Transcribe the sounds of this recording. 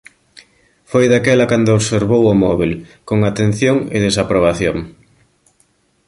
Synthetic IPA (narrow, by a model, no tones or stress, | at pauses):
fojðakɛlakand̪oːβseɾβowomɔβ̞ilkoŋat̪en̟θjoŋḛð̞esapɾoβ̞aθjoŋ